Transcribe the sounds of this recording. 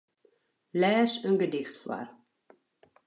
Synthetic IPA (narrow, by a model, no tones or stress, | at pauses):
lɛːsənɡədɪxtfwa̰r